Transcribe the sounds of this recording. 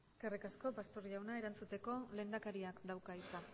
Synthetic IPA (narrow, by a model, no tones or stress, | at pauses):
eskerikasko̞past̪oɾiawnae̞ɾant͡sut̪e̞ko̞le̞ːnd̪akaɾiakd̪awkaisa